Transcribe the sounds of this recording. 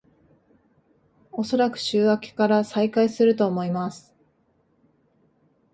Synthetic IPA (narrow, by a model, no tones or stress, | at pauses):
o̞so̞ɾakɯ̟̥ɕɨːβakʲi̥kaɾasaikaisɨɾɯ̟t̪o̞ːmo̞imasɨ̥